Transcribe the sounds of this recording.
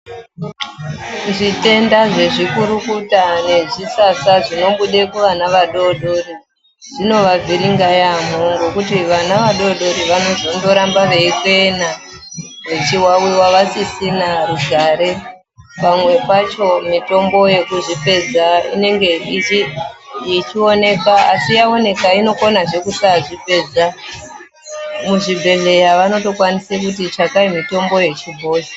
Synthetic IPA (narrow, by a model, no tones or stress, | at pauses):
ʐite̞ndaʐe̞ʐikuɾukutane̞ʐisasaʐino̞ɓuɗe̞kuʋanaʋaɗo̞ɗo̞ɾi | ʐ̥ino̞ʋavʱiɾiŋɡajam̤oŋɡo̞kutiʋanaʋaɗo̞ɗo̞ɾiʋano̞zo̞ndo̞ɾambaʋe̞ikwe̞na | ʋet͡ʃiwawiwaʋasisinaruɡʱaɾe̞ | pamwe̞pat͡ʃo̞mito̞mbo̞je̞kuʐipe̞d͡zaḭne̞ŋɡe̞it͡ʃi | it͡ʃio̞ne̞kaːsijao̞ne̞kaino̞ko̞naʐe̞kusaʐiped͡za | muʐibʱe̞ɮe̞jaʋano̞to̞kwanisek̬ut̬it͡ʃakaimito̞mbo̞je̞t͡ʃibʱo̞ːsi̥